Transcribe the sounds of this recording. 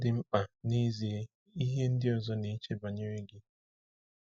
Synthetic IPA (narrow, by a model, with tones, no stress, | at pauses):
dɪ˦m̩˦k͡pa˨ni˦zi˨e˨ | i˦ɦe˦n̩˦dɪ˦ɔ˨zɔ˦ni˨i˦t͡ʃe˦ba˨ɲe˦ɾe˦ɡɪ˦